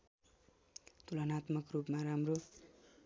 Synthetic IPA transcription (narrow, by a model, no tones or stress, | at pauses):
t̪ulʌnat̪mʌkrupmaɾamro